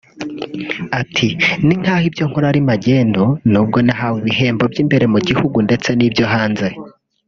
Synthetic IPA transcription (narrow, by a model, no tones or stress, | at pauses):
atʰiniŋ̥haːhibjo̞ŋ̥hoɾaɾimaɟe̞ːndo̞nuːb̚ɡo̞naɦaweβiɦe̞ːmbo̞bjiːmbe̞ɾe̞muɟihuɡunde̞t͡se̞nibjo̞ɦaːnze̞